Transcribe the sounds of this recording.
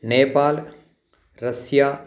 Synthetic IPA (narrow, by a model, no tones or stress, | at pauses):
neːpaːl | ɾɐsjaː